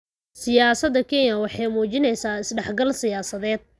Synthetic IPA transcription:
sɪjaːsɐd̪ɐkʰɛnjɐwɑħɑjmuːt͡ʃɪnɛjsaːɪsɖɛħɡɐlsɪjaːsɐðɛːd̪̥̚

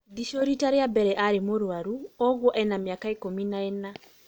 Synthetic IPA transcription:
d̪iʃɔɾitaɾeabɛɾɛʔaɾemoɾwaɾuɔɣwɔʔɛnamiakaekominaɛna

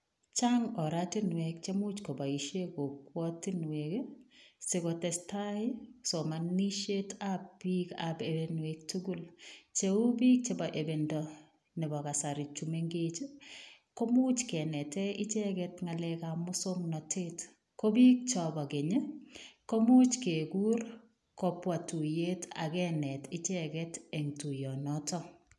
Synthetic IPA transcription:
t͡ʃaŋɔɾatinwekt͡ʃemut͡ʃkɔbaiʃekok̚wɔtinwekesekɔtɛstaɪsomaniʃetab̚b̥ika̰bebenwek̚tuɡult͡ʃeubik̚t͡ʃebaʔebendɔ | nɛbakasaɾit͡ʃumeŋɡet͡ʃikomut͡ʃkɛnɛtɛɪt͡ʃɛkɛtŋalɛkamʊsoŋnɔtʰet | kobik̚t͡ʃɔbakeɲekomut͡ʃkeɡuɾ | kɔpwatujetʰa̰kɛnɛtɪt͡ʃɛkɛtɛŋtujɔnɔtɔ

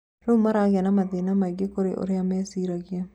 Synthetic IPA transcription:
ɾommaɾaɡanamadɪnamaiɡɪkoɾeʔo̰ɾɪamɛsiɾaɡja

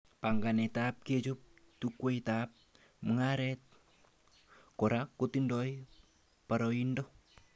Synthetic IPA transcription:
paŋɡanet̪ap̚ked͡ʒop̚t̪ukuoit̪ap̚ | məŋaɾɛt̪̚ | kɔɾakut̪indɔj | paɾɔindɔ

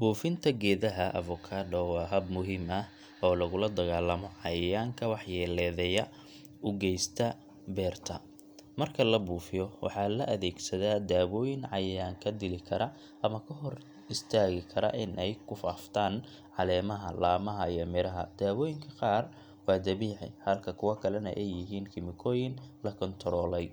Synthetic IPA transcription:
buːfɪnt̪ʰɐɡɛːðɐɦɐʔɐ̰vɔkʰaːd̪ɔwɑːɦɐbmʊɦɪmɐh | ɔːlɐɣʊlɐd̪ɐɣaːlɐmɔʕɑjɐjaːŋkʰɐwɑħjɛːlɛːðɛjɐ | ʊɡɛjst̪ʰɐ | bɛːrt̪ʰɐ | mɐrkʰɐlɐbuːfɪjɔwɑ̰ħɑlɐʔɐðɛːɡsɐðaːd̪aːwɔːjɪnʕɑjɐjaːŋkʰɐd̪ɪlɪkʰɐɾɐ | ʔɐmɐkʰɐɦɔr | ɪst̪ʰaːɣɪkʰɐɾɐ̰ʔɪnʔɛjkʰʊfaːft̪ʰaːn | ʕɑlɛːmɐɦɐlaːmɐɦɐijɔmɪɾɐɦɐ̰d̪̥aːwɔːjɪŋkʰɐqɑːr | wɑːd̪ɐβiːʕɪ̰hɐlkʰɐkʰʊwɐkʰɐlɛnɐ̰ʔɛjːɪɦiːnkʰɪmɪkʰɔːjɪnlɐkʰɔnt̪ʰɔɾɔːlɛj

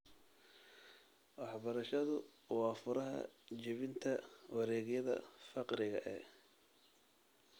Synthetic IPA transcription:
wɑħbɐɾɐʃɐðʊwɑːfʊɾɐɦɐ̰t͡ʃɪβɪnt̪ʰɐwɑɾɛːɣjɐðɐ̰fɑqɾɪɣɐ̰ʔɛ

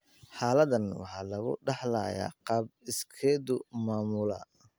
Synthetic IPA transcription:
ħɑːlɐðɐnwɑ̰ħɑːlɐɣʊ̰ɖɑħla̰ːja̰ːqɑːb̚ɪskʰɛːd̪ʊmaːmʊlɐ̰

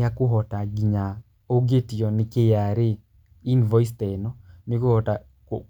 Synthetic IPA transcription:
akʊɦɔtaɡiɲa | oɡetijɔnɪkejaɾɪ | invɔist̪enɔnikohɔta | k

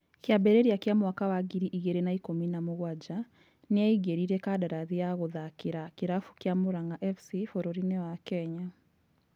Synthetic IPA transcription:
kjabɛɾɛɾiakjamwakawaɡiɾiʔiɣɛɾɛnaikominamoɣwad͡ʑa | neaiɣeɾiɾɛkadaɾaðiaɣoðakiɾakiɾafu̥kjamoɾaŋɡaʔɛfsifɔɾɔɾinewakɛɲa

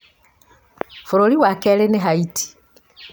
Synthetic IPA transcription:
fuɾoliwakɛleneɦaitʰi̥

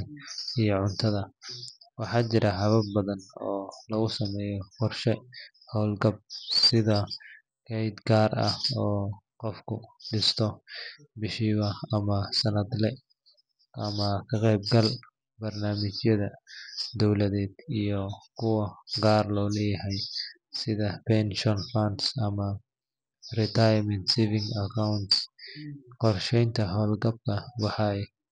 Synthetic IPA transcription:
ijɔʕʊnt̪ʰɐðɐwɑħɑːt͡ʃɪɾʔɐɦɐβɐbbɐðɐnɔːlɐɣʊsɐmɛːjɔqɔrʃɛ | hɔwlɡɐb̚sɪðɐ | kʰɛjd̪ɡaːrɐ̰hɔːqɔfkʰʊɖɪst̪ʰɔ | bɪʃiːβɐɐmɐsɐnɐd̪lɛ | ʔɐmɐkʰɐqɛjb̚ɡɐl | bɐrnaːmɪt͡ʃjɐðɐd̪ɔwlɐðɛːd̪̥ijɔkʊwɐɡaːɾlɔːlɐjɐhɛj | sɪðɐpɛnʃɔnfansɐmɐ | rɪt̪ajmɛnt̪sivɪŋɡɐkawʊnt̪s | qɔrʃɛjnt̪ɐɦɔːlɡɐb̚tʰɐwɑħaɛ

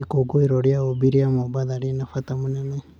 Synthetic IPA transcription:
koɡoiɾoɾiaobiɾiamobaðaɾinafat̪amunɛnɛ

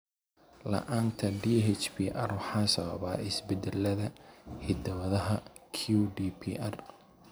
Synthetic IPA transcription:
lɐ̰ʔaːnt̪ʰɐɖiːɦɛt͡ʃbʰiːʔɐrwɑħɑːsɐβɐβaːʔɪsbɛd̪ɛlːɐðɐhɪd̪ɐwɐðɐɦɐ | kʰuɖiːpʰiʔɐr

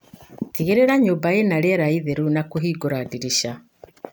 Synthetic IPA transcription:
tiɣeɾeɾaɲoːmbaenaɾɛɾaiðeɾunakoɦiːɡoɾadiɾiʃa

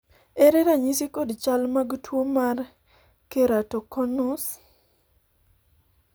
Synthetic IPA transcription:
eɾɛɾaɲisɪkodt͡ʃalmaɡtwomar | keɾatokɔnʊs

